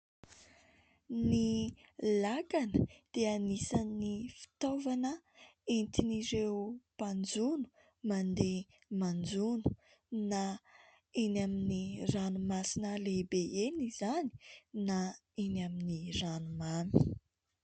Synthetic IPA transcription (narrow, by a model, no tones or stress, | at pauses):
nilakanəd̪̥eanisanifi̥t̪ovanə | ent̪iniɾewpand͡zunu̥ | mand̪e | mand͡zunu̥ | na | inaminiranumasinəlebeenizani̥na | inaminiranumami̥